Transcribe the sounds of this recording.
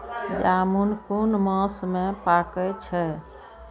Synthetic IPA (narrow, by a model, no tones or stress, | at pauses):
d͡ʒamunkunməsmepakɛt͡ʃʰɛ